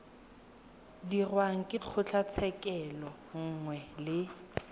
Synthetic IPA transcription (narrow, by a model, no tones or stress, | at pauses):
dirwaŋ̩kʼɪk͡xʰʊt͡ɬʰat͡sʰɛkʼɛlɔ | ŋ̩ŋwɛlɪ